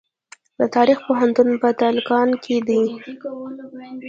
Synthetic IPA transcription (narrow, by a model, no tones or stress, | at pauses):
d̪ət̪ɑɾixpoɦant̪unpət̪alkɑnkʰed̪i